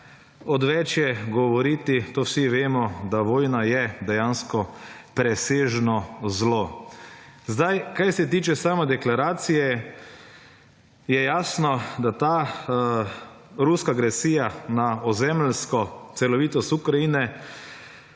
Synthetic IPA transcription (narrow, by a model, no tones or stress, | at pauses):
ɔd̪ʋɛt͡ʃjɛɡɔʋɔɾit̪it̪oːwsiʋeːmɔd̪aʋoːjnajɛd̪ɛjanskɔpɾɛseːʒnɔzloː | zd̪ajkajsɛt̪̬iːt͡ʃɛsaːmɛd̪ɛklaɾaːt̪sijɛ | jɛjaːsnɔd̪at̪aː | ɾuskaːɡɾɛsiːjanaɔzɛmlskɔt̪sɛlɔʋiːt̪ɔst̪ukɾaiːnɛ